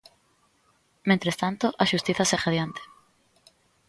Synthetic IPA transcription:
mẽnt̪ɾest̪ant̪oʔaʃust̪iθasexaðjant̪e̥

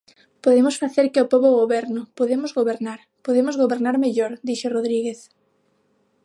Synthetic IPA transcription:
poðemʊsfaθeɾkɪopoβoɣoβɛɾnʊpoðemʊzɣoβeɾnaɾ | poðemʊzɣoβeɾnaɾmeʎoɾd̪iʃeroðɾiɣeθ

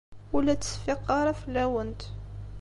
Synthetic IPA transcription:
wəlæt̪ə̥sfiqːɑɾˤɑfəlːæwənt̪

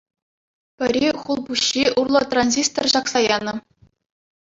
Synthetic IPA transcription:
pʲɘ̆ɾʲiχulˠbuɕːiurlˠɤ̆t̪ranʲzʲist̪orʑɑksɑjɑnɤ̆

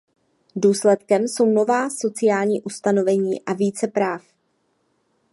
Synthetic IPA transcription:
duːslɛt̪kɛmso̞wno̞vaːso̞t͡sɪjaːlɲiːʔust̪ano̞vɛɲiːʔaviːt͡sɛpɾaːf

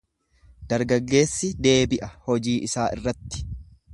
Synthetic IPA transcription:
d̪̥ɐɾɡɐɡːe̞ːsːɪd̪e̞ːbɪʔɐhɔd͡ʒiːʔɪsaːʔɪ̰rːɐt̪ːɪ̥

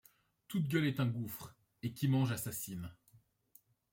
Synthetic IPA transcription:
t̪ut̪ɡʲœlɛt̪ɛ̃ɡufχ | ekʲimɑ̃ʒasasin

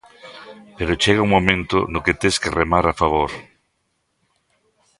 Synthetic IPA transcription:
peɾot͡ʃeɣauŋmõmẽnt̪ʊ̰nʊket̪eskeremaɾafaβ̞oɾ

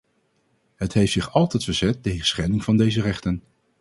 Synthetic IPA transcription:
ɦətɦejftsɪχɑlˠtɛjtfəɹzɛtːejχə̥sχɛnɪŋv̥ɑndejzərɛχtən

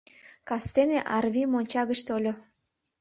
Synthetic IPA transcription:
kɑst̪eneʔɑrvʲimonʲt͡ɕɑɣət͡ɕt̪olʲo

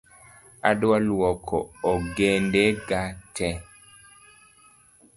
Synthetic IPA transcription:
a̰dwalwɔkʰɔ̰oɡendeɡatɛ

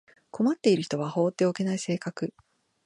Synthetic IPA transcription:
kʰo̞mat̪ːe̞iɾɯ̟çi̥t̪o̞βaho̞ːt̪ːe̞o̞ke̞naise̞ːkakɯ̟

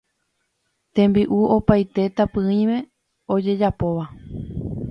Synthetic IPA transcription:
t̪ẽ̞mbiʔuopajt̪e̞t̪apɨ̃ĩmẽ̞ | o̞d͡ʒe̞d͡ʒapo̞ʋa

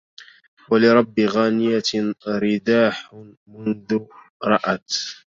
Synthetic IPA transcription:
walɪɾˤɑbːiɣaːnɪjaɾɪd̪aːħ | mʊnðʊ | ɾˤɑʔat̪

